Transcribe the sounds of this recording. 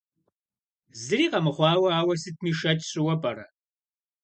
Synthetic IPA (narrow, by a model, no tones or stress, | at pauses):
zɨɾiːqɐmɨχʷɑːwɐaːwɐsɨt̚ʰmiːʃɐtʼɕɪwɐpʼɐɾɐ